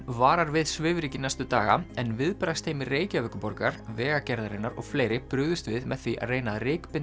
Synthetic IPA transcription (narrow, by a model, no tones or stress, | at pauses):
vaːɾaɾvɪðsvɪːvɾicɪnajst̪ʏt̪aːɣa̰ɛnvɪðpɾast̪ʰeːjmɪreːjcavɛkʏpɔɾkaɾ̥vɛːɣacɛɾðaɾenːaɾɔ̰ɣfleːjɾɪpɾʏːɣðʏst̪vɪðmɛðθviʔa̰ðreːjnaðrɪːkpɪn